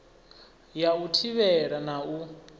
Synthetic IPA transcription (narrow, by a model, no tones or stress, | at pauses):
jautʰiβɛɺanau